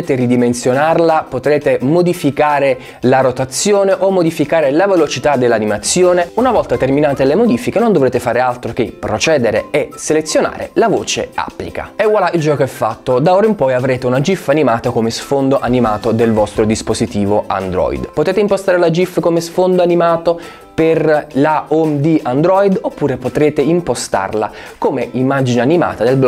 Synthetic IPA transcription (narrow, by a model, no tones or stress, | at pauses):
eːt̪erid̪imensjonarlapot̪ɾeːt̪emod̪ifikaːɾe | laɾot̪at̪sːjoːneʔomːod̪ifikaːɾelavelot͡ʃit̪ad̪ːelːanimat̪sːjoːneunavɔlt̪at̪erminaːt̪elemod̪ifikenond̪ovɾeːt̪efaːɾealt̪ɾok̟epːɾot͡ʃɛːd̪eɾḛɛselet̪sːjona̰ːɾḛlavo̰ːt͡ʃḛa̰pːlḭka̰ɛwalaild͡ʒɔːkoɛfːat̪ːod̪aoːɾaimpɔjavɾeːt̪eunad͡ʒifːanimaːt̪akomesfond̪oʔanimaːt̪od̪elvɔst̪ɾod̪ispozit̪iːvoa̰nd̪ɾɔ̰j̰d̪pot̪eːt̪eimpost̪aːɾelad͡ʒifːkomesfond̪oanimaːt̪o | perlaomd̪iand̪ɾɔjd̪opːuːɾepot̪ɾeːt̪eimpost̪a̰rla̰komeʔimːad͡ʒineanima̰ːt̪ad̪elb